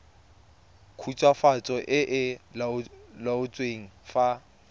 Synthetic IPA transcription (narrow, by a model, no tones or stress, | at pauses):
kʰut͡ʃʼwafat͡sʼɔʔɪʔɪlalaʊt͡sʼweŋ̩fa